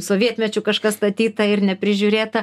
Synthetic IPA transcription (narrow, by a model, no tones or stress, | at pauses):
soːʋʲiɛt̪ʲmʲɛt͡ʃʲʊkɐʃkɐst̪ɐt̪ʲiːt̪ɐɪɾnʲɛpʲɾʲɪʒʲuɾʲeːt̪ɐ